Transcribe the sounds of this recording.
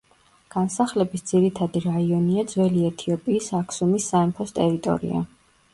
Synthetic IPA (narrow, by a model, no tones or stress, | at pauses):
ɡ̥ansaχlɛbisd̪z̥iɾit̪ʰad̪iɾaiɔniad̪zwɛliɛt̪ʰiɔpʼiːsakʰsumisːaɛmpʰɔst̪ʼɛɾit̪ʼɔ̰ɾḭa̰